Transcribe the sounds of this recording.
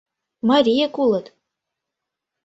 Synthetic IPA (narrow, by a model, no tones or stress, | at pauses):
mɑɾʲijekulˠɤ̆t̪